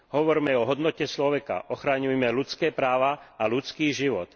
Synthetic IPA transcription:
ɦɔʋɔɾmɛɔɦɔd̪nɔcɛt͡ʃlɔʋɛka̰ʔɔxɾaɲujmɛlut͡skɛːpɾaːʋaalut͡skiːʒiʋɔ̰t̪

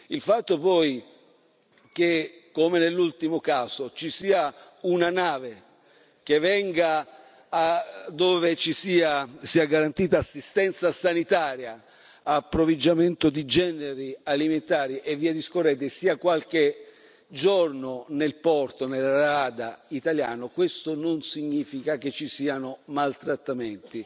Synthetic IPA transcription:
ilfat̪ːopɔj | kekomenelːult̪imokaːsot͡ʃisiːa | unanaːve | k̟evɛŋɡa | ad̪ːoːvet͡ʃisiːasiːaɡaɾant̪iːt̪aːsːist̪ɛnt̪sasanit̪aːɾjaː | pːɾovid͡ʒːament̪ʊd̪id͡ʒɛːneɾialiment̪aːɾiʔevːiːad̪iskorɛːt̪̬ɪsiːakwalk̟e | d͡ʒornonelpɔrt̪onelaɾɾaːd̪ait̪aljaːnokwest̪ononsiɲːiːfikak̟et͡ʃːisiːanʊmalt̪ɾat̪ːament̪i

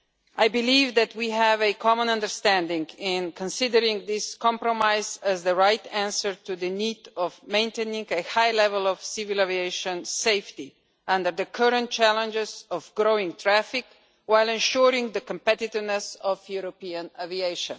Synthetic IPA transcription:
ʔajbɪlivðæt̚ʰwiɦævɨkʰɔmə̃nʌ̃ndəɹst̪æ̃ndɪ̃ŋɡɪ̃nkʰə̃nsɪdəɾɪ̃ŋðɪskɑ̃mpɾɔmaɪzæzðəɹajtæ̃nsəɹtuðɨnidɔvmẽɪ̃ntẽnĩŋɡəhajlɛvəlˠɔv̥sɪvɪlɛvieɪʃə̃nseɪfti | ʌ̃ndə˞d̪əkʰɜɾə̃nt̚t͡ʃælə̃nd͡ʒɪzɔvɡɹoʊɪ̃ŋt̪ʰɹæfɪk | waɪlɛ̃nʃuɾɪ̃ŋðəkə̃mpɛt̪ɪtɪvnɛsɔvjuɾopiə̃nævieɪʃə̰̃n

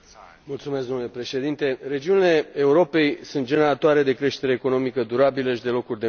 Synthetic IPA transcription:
mult̪sume̞s̬kɡ̪d̪omnule̞pɾe̞ʃe̞d̪int̪e̞re̞d͡ʒiunile̞ːuɾo̞pe̞jsunt̪̚d͡ʒeneɾat̪oaɾe̞d̪e̞kɾe̞ʃt̪e̞ɾe̞ːko̞no̞mikəd̪uɾabiləʃid̪e̞lo̞kurʲd̪e̞

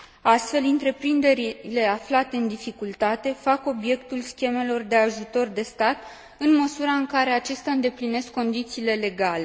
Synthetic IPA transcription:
ast̪fe̞lɨnt̪ɾe̞pɾind̪e̞ɾile̞aflat̪e̞ɨnd̪ifikult̪at̪e̞fako̞bje̞kt̪ulskʲe̞me̞lo̞rd̪e̞aʒut̪o̞rd̪e̞st̪at̪ | ɨnməsuɾaɨŋkaɾe̞at͡ʃest̪ʲaɨnd̪e̞pline̞skːo̞nd̪it̪siːle̞le̞ɡale̞

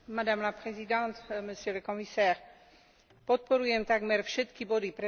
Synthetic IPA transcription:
mad̪amlapχezid̪ɑ̃t̪məsjøləkɔmisɛːʁ | pɔt̪̚poɾyɛ̃nt̪aɡmɛɾfʃət̪kibod̪ipɾe

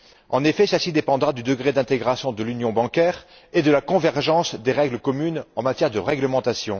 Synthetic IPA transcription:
ɑ̰̃nefɛsasid̪epɑ̃d̪ʁad̪yd̪əɡʁed̪ɛ̃t̪eɡʁasjɔ̃d̪əlynjɔ̃bɑ̃kʲɛʁ | ed̪əlakɔ̃vɛʁʒɑ̃sd̪eʁɛɡləkɔmynɑ̃mat̪jɛʁd̪əʁɛɡləmɑ̃t̪asjɔ̃

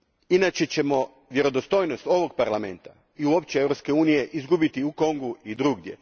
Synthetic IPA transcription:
inat͡ɕe̞t͡ɕe̞mo̞ | ʋje̞ɾo̞d̪ost̪o̞ːjnost̪o̞ʋo̞ɡ̚paɾlame̞̰nt̪a̰ | iuo̞pt͡ɕeeʋɾo̞pske̞uːnije̞ʔizɡubit̪iuko̞ŋɡuid̪ɾuɡd̪je̞̰

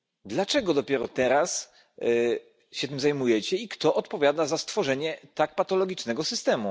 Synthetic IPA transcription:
d̪lat͡ʂɛɡɔd̪ɔpʲjɛɾɔt̪ɛɾas | ɕɛt̪ɘmzajmujɛt͡ɕɛikt̪ɔʔɔt̪pɔvʲjad̪azast̪fɔʐɛɲɛt̪ak̚pat̪ɔlɔɡʲit͡ʂnɛɡɔsɘst̪ɛmu

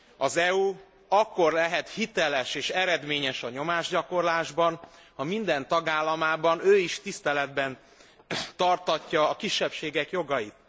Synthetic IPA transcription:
ɒzɛu | ɒkːo̞rlɛɦɛt̪hit̪ɛlɛʃeːʃɛɾɛd̪meːɲɛʃɒɲo̞maːʒɟɒko̞rlaːʒbɒn | hɒmind̪ɛnt̪ɒɡaːlːɒmaːbɒnøːiʃt̪ist̪ɛlɛd̪bɛn | t̪ɒrt̪ɒcːɒːkiʃːɛpʃeːɡɛkjo̞ɡɒjit̪̚

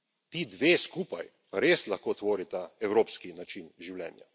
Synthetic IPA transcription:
t̪iːd̪ʋeːskuːpajpaɾeslaxkoːt̪ʋoːɾit̪aɛwɾoːpskinat͡ʃinʒiwlʲɛ̰ːnja̰

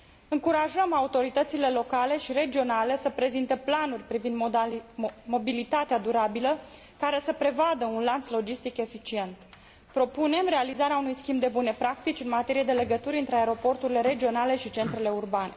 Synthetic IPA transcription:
ɨŋkuɾaʒəmaut̪o̞ɾit̪ət̪sile̞lo̞kale̞ʃiɾe̞d͡ʒio̞nale̞səpɾe̞zint̪eplanurʲpɾivind̪ | mo̞bilit̪at̪ead̪uɾabilə | kaɾe̞səpɾe̞vad̪əunlant̪slo̞d͡ʒist̪ike̞fit͡ʃie̞nt̪ | pɾo̞pune̞mɾe̞alizaɾeaunujskʲimbd̪e̞bune̞pɾak̚t̪it͡ʃʲɨnmat̪e̞ɾije̞d̪e̞le̞ɡət̪uɾʲɨnt̪ɾeaeɾo̞po̞rt̪uɾile̞ɾe̞d͡ʒio̞nale̞ʃit͡ʃe̞nt̪ɾe̞le̞urbane̞

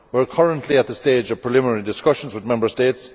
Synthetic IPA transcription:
wə˞kʰʌɹə̃nʔʰliət̪̚ðəsteːd͡ʒʌv̥pʰɹ̥ɪlɪmɪnɛɹidɪskʌʃə̃n̩zwɪðmɛ̃mbə˞steɪts

